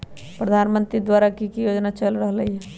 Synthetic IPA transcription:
pɾəd̪ʱaːnmə̃nt̪ɾid̪waːɾakikijoːd͡ʒnat͡ʃəlɾəɦlɐɦiɦɛː

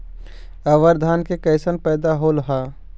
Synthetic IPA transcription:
əʋəɾd̪ʱaːnkekəɪsənpɛːd̪aɦoːlɦaː

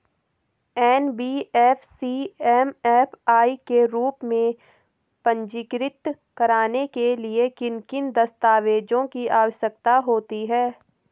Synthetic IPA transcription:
ɛːnbiːɛːfsiɛːmɛːpʰaːikeɾuːpmẽ | pə̃ɲd͡ʒɪkɾɪt̪ | kɐɾaːnekeliekɪnkɪnd̪ɐst̪aːʋeːd͡ʒõkiʔaːwəʃjək̚t̪aɦoːt̪iɦɛː

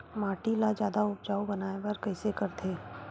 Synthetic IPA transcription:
maːʈilad͡ʒjaːd̪aʊp̚d͡ʒaːubɐnaːebɐɾkɐɪsekɐɾt̪ʰeː

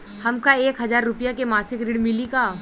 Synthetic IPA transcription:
hɐmkaeːkɦɐzaːɾːʊpijakemaːsɪkɾɪɽmɪlikaː

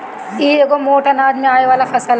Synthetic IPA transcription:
ieːɡomoːʈɐnaːd͡ʒmẽaːeʋaːlafʰɐsəl

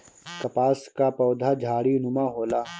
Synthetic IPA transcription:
kɐpaːskapɔːd̪ʱad͡ʒʱaːɽiʊnʊmaːɦoːlaː

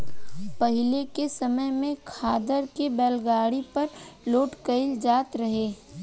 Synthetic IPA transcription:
pɐɦɪlekesɐməjmẽkʰaːd̪əɾkebɛːlɡaːɽipɐɾloːʈkəɪld͡ʒaːt̪ɾɐɦeː

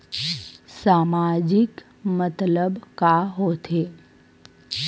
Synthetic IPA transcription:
saːmaːd͡ʒɪk | mət̪ləbkaɦoːt̪ʰeː

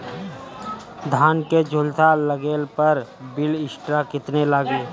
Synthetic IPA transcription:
d̪ʱaːnked͡ʒʱʊlt̪aləɡeːlpəɾbɪlɪsʈɾakɪt̪nelaːɡeː

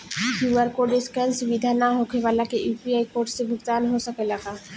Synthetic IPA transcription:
ɦjuəɾkoɖɪskənsubid̪ʱanaɦokʰeʋalakejupiaːjkoːɾɖsebʱʊɡt̪aːnɦosəkelaka

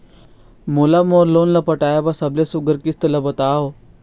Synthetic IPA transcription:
molamoːɾloːnlɐpɐʈaːjabasɐblesuɡəɾkist̪əlɐbɐt̪aːo

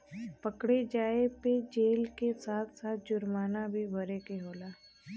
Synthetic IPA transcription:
pəkɽed͡ʒaːeped͡ʒeːlkesaːt̪ʰsaːt̪̚ʰd͡ʒʊɾmaːnabʱibʱəɾekeɦoːlaː

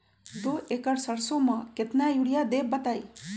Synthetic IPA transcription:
d̪oːekɐɽsɐɾsomɐket̪najuɽijad̪eːbbɐt̪aj

